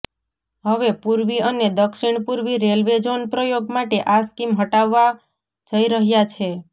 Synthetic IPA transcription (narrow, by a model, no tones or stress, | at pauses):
ɦəʋepuɾʋiəned̪əkʃiɳ̃puɾʋiɾelʋed͡ʒonpɾəjoɡmaʈeʔaskimɦəʈaʋːa | d͡ʒəiɾəɦjat͡ʃʰe